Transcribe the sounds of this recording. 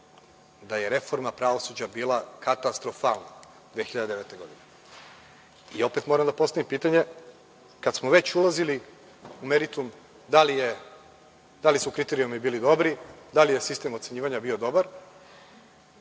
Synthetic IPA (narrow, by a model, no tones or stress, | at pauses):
d̪ajeɾe̞fo̞ɾmapɾaʋo̞sud͡ʑabiːlˠakat̪ast̪ɾo̞falˠna̰ | d̪ʋexiʎad̪ed̪eet̪e̞ɡo̞d̪ine | io̞pe̞t̪mo̞ɾamd̪apost̪aʋimpiːt̪aɲe̞ | kad̪smoʋe̞t͡ɕulazili | ume̞ɾit̪um | d̪alije | d̪alisukɾit̪e̞ɾijomibiːlid̪o̞bɾid̪alije̞sist̪emot̪se̞ɲiːʋaɲabio̞d̪o̞baɾ